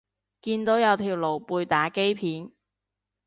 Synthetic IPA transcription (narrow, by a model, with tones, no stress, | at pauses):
kiː˧nt̪o˨˥wjɐ˨˧wt̪ʰiː˨˩wlo˨˩wpuː˧jt̪aː˨˥ke˥jpʰiː˨˥n